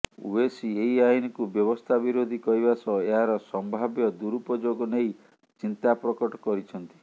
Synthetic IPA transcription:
ṵesieiainikubjɔbɔst̪ʰabiɾod̪ʱikɔɾibasɔeɦaɾɔsɔmbʱabjɔd̪uɾupɔd͡ʒoɡɔnej | t͡ʃint̪apɾɔkɔʈɔkɔɾit͡ʃʰɔnt̪i̥

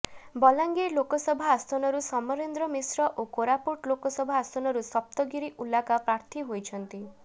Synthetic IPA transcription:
bɔlaŋɡelokɔsɔbʱaːst̪ʰɔnɔɾusɔmɔɾend̪ɾɔmisɾɔʔokoɾapuʈlokɔsɔbʱaast̪ɔnɔɾusɔp̚t̪ɔɡiɾiʔulakapɾaɾt̪ʰiɦojt͡ʃʰɔnt̪i

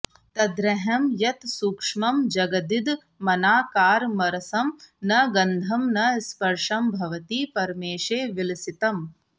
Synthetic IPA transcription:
t̪ɐd̪ɾɐɦɐmjɐt̪suːkʂmɐmd͡ʒɐɡɐd̪id̪ | mɐnaːkaːɾmɐɾɐsɐmnɐɡɐnd̪ʱɐmnɐspɐɾʂɐmbʱɐʋɐt̪iːpɐɾmeːʂeːʋilsit̪ɐm

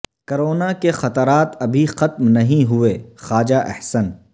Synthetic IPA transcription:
kɐɾoːnakexɐt̪əɾaːt̪ɐbʱixɐt̪mnɐɦĩɦʊeːxaːd͡ʒaʔɛ̰hsən

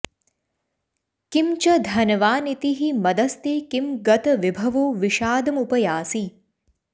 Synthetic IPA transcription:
kimt͡ʃɐd̪ʱɐnɐʋaːnit̪iɦimɐd̪ɐst̪eːkimɡɐt̪ɐʋibʱɐʋoːʋiʃaːd̪ɐmupɐjaːsi

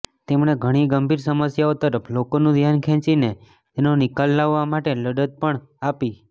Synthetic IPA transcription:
t̪emɽ̃eɡʱəɽ̃iɡəmbʱiɾsəməsjaot̪əɾəpʰlokonũd̪ʱjankʰɛ̃t͡ʃine | t̪enonɪkalːaʋːamaʈeləɖət̪̚pəɳ | api

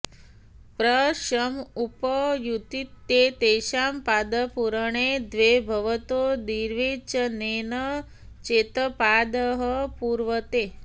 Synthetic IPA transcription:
pɾəɕəmupəjut̪it̪jet̪eɕampad̪əpuɾəɳ̃ed̪ʋebʱɐʋət̪od̪iɾʋit͡ʃənenə | t͡ʃet̪əpad̪əɦəpuɾʋət̪e

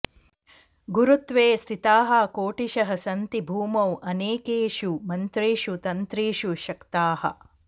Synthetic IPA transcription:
ɡuɾut̪ʋeːst̪ʰit̪aːɦɐkoːʈiʃɐɦɐsɐnt̪ibʱuːmɐwʔɐneːkeːʃumɐnt̪ɾiːʃut̪ɐnt̪ɾiːʃuʃɐkt̪aːhɐ̰̆

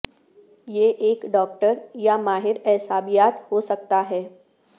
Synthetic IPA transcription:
jeʔeːkɖɔːk̚ʈəɾjamaːɦɪɾɛɦsaːbijaːt̪hosɐk̚t̪aɦɛː

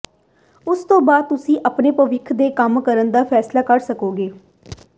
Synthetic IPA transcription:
ʊst̪õːbaːd̪̚t̪ʊsĩːʔəpneːpəʋɪkʰd̪eːkəmkəɾənd̪aːpʰɛːslaːkəɾsəkoːɡeː

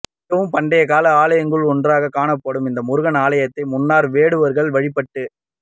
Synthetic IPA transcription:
ɐʋɯmpɐɳɖɐjɐkaːlɐaːlɐjɐŋɡɯɭɔndraːɣɐkːaːnɐpːɐɽɯmɪnd̪ɐmʊɾɯɣɐnaːlɐjɐt̪ːɐɪmʊnːaːɾʋeːɽɯʋɐɾɣɐɭʋɐɻɪpːɐʈːɯ

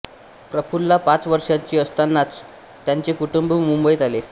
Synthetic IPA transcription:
pɾəfulːapat͡sʋəɾʂjaɲt͡ɕiːəst̪anːat͡s | t̪ːjaɲt͡sekuʈumbmumbəjt̪ale

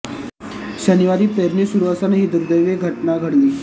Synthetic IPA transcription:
ɕəniʋaɾiːpeɾniːsuɾuʋasanɦiːd̪uɾud̪ejʋeɡʱəʈnaɡʱəɽliː

